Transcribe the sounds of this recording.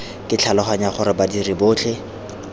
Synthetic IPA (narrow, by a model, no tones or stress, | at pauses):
kɪt͡ɬʰalɔχaɲaχʊɾɪbadiriboːt͡ɬʰe